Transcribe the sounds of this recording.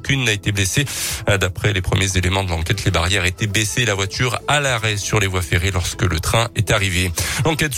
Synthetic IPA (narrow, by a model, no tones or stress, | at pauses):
kʲynːaet̪eblesed̪apχɛlepχəmjezelemɑ̃d̪əlɑ̃kʲɛt̪lebaʁjɛʁet̪ebleselavwat̪ʰyʁalaʁɛsyʁlevwafeʁelɔʁskələt̪χɛ̃ɛt̪aʁivelɑ̃kʲɛt̪